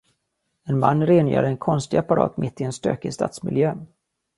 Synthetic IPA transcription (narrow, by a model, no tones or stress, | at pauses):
ɛnma̰nːɾeːnjœ̰ːɖəɛnkʰɔnst̪ɪɡapːaɾɑ̰ːt̪mɪt̪ːɪɛnst̪ø̰ːkəst̪ɑ̰ːt̪smɪ̰ljøː